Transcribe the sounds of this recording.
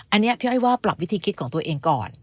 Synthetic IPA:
ʔa˧nːi˦˥ɐpʰi˥˩ha˥˩waː˥˩pla˨˩p̚wi˦˥t̪ʰiː˧kʰi˦˥kʰɔː˩˦ŋt̪u˧ɐʔeː˧ŋkɔ̰ː˨˩n

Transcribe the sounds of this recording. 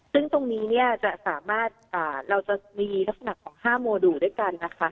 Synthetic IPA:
sɯ˥˩ŋt̪o˧ŋniː˦˥ni˥˩ɐt͡ɕa˨˩ʔsaː˩˦maː˥˩t̪̚ʔaː˨˩ɾa˧wt͡ɕa˨˩miː˧la˦˥ksa˧na˨˩kʰːɔː˩˦ŋhaː˥˩moː˧duː˨˩du˥˩˨jka˧nːa˦˥kʰa˦˥

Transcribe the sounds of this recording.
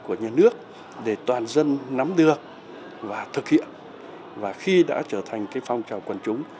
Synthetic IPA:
ku˧˩əɲaː˨˧˩nɨ˦˥ək̚ | ɗe˧˩t̪waː˨˩nzə˧nːa˨˦mɗɨ˨˩ək̚ | vaː˨˩t̪ʰɨ˨˩k̚hḭ˧˨ən | vaː˨˩xi˧ɗa̰ː˧˥t͡ɕəː˧˩t̪ʰa˨˩ŋ̟kaː˨˦jfa˨˧wŋ͡mt͡ɕa˨˩wkwə˨˩nt͡ɕʊ˨˦ŋ͡m

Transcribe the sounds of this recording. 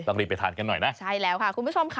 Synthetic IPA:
ɔ˧ŋliː˧˩pa˧jt̪ʰaː˨˩˦nka˧nːɔ˨˩jna˦˥t͡ɕʰa˥˩jlɛː˦˥wkʰa˥˩kʰu˧nbu˦˥˩t͡ɕo˧mkʰa˧

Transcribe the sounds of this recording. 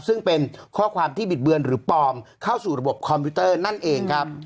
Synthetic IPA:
sɯ˥˩ŋpe˧nkʰɔː˥˩kʰwaː˧mt̪ʰiː˥˩bi˨˩t̪̚bɯ˧ənɾɯː˩˦pɔː˧mkʰa˥˩wsuː˨˩ɾa˧bo˨˩p̚kʰɔ˧mpʰi˦˥t̪ɤː˥˩na˥˩nʔeː˧ŋkʰa˦˥p̚

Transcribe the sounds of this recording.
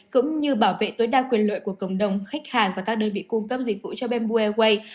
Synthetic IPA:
kʊ̰˧˥ŋ͡mɲɨ˧ɓaː˧˩wvḛ˧˨t̪oː˨˦jɗaː˧kwi˨˩ənlə̰ː˧˨jku˧˩əkə̰˧˩wŋ͡mɗə˨˩wŋ͡mxa˦˥k̟̚haː˨˩ŋvaː˨˩kaː˦˥k̚ɗəː˧nvḭ˧˨kʊ˧ŋ͡mkə˦˥p̚zi˨˩k̚vṵ˧˨t͡ɕɔ˧ɓɛ˧nɓu˧ɛ˧ɣwə˧j

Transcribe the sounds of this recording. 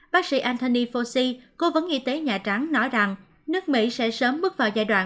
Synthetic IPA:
ɓaː˦˥k̚sḭ˧˥ʔaː˧nt̪o˧ni˧fo˧si˧ko˨˦və˨˦nʔi˧t̪e˨˦ɲaː˨˩t͡ɕa˨˦ŋnɔ˨˦jza˨˩ŋ | nɨ˦˥ək̚mḭ˧˥sɛ̰˧˥səː˨˦mːɨ˦˥k̚vaː˨˩wzaː˧jɗwa̰ː˧˨n

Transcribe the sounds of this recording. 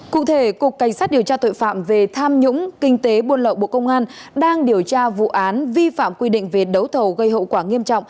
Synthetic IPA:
kṵ˧˨t̪ʰe˧˩ku˨˩əkːa˧˨˩jŋ̟saː˦˥t̚ɗi˨˩əwt͡ɕaː˧t̪o̰˧˨jfa̰ː˧˨mve˨˩t̪ʰaː˧mɲʊ̰˧˥ŋ͡mkï˧ŋ̟t̪e˨˦ɓu˧ənlə̰˧˨ɓo̰˧˨kə˧wŋ͡mʔaː˧n | ɗaː˧ŋɗi˨˩əwt͡ɕaː˧vṵ˧˨ʔaː˨˦nvi˧fa̰ː˧˨mkwi˧ɗḭ̈˧˨ŋ̟ve˨˩ɗə˨˦wt̪ʰə˨˩wɣə˧jɦo̰˧˨wkwaː˧˩ŋi˧əmt͡ɕɔ̰˧˨ŋ͡m

